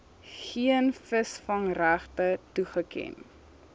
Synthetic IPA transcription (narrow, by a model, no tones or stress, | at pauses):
χiənfəsfɐŋræχtətuχəkɛ̰n